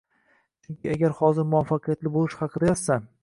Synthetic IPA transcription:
t͡ʃʰʊŋkʲʰɪaɡʲaɾhɒzɪɾmʊwafːɑqʰɨjat̪lɪbolˠɪʃhɑqʰɨd̪ajassan

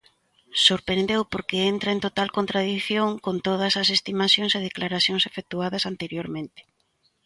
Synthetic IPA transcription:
soɾpɾend̪ewpoɾkeent̪ɾaent̪ot̪alkont̪ɾað̞iθjoŋkont̪oð̞ɐsɐsest̪imaθjoŋseð̞eklaɾaθjoŋsefek̚t̪uaðɐsant̪eɾjoɾmẽnt̪ɪ̥

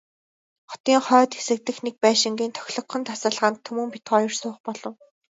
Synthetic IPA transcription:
χɔ̥t̪iːŋχœːt̪xesɘ̆k̚t̪ɘ̆xnek̚pæːʃɪ̆ŋɡiːnt̪ʰœ̥xʲɮɞ̆kχɞ̆nt̪ʰasə̆ɮʁə̆nt̪ʰːɵmɵ̆mpit̪χɢɔːjɵ̆rsʊːχpɔɮɞ̆w

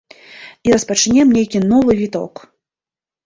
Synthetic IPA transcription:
iɾɐspɐt͡ʂnʲɛmnʲejkʲinɔvɨvʲit̪ɔ̰k

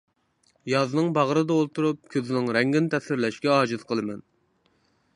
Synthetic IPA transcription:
jɑznɨŋbɑʁɾɨd̪ɑolˠt̪uɾup̚kʲʰøzɪnɪŋɾɛŋɡʲinɪt̪ʰɛsɪɾlɛʃkʲɛɑːd͡ʒɨz̥qʰəlˠɨmɛn

